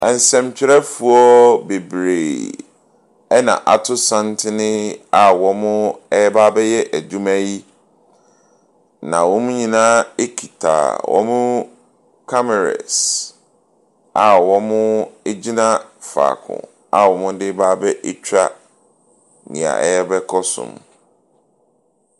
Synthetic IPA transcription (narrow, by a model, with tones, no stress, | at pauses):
ɛ˨n̩˨sɛ̃˨mt͡ɕʰᶣɪ˦ɾɛ˦fu˨ɔ˦be˨bɾe˨ | ɛ˦nã̰˨ʔa˨tʰʊ˦sã˦ntʰɪ˦nɪ̃˦a˨wɔ˦mʊ̃˦ɛ˦baː˦bɛ˦jɛ˦ʔæ˨dũ˦mæ˦ji˦ | nã̰˨wɔ˦mʊ̃˦ɲĩ˨nã˦e˦kʰi˨tʰa̰˨wʔɔ̰˦mʊ̃˦ | kʰa˦mɛ˨ɾa̰˨s | a˨wɔ˦mʊ̃˦e˦d͡ʑi˦nã˦fa̰ː˨kʰʊ̰̃˨ | a˨wɔ˨mʊ̃˦dɪ˦baː˦bɛ˦ʔe˦t͡ɕʰᶣɾa̰˦ | nɪ̰̃˨a̰˨ʔɛ̰˦jɛ˦bɛ˦kʰɔ˦sʊ̰̃˨m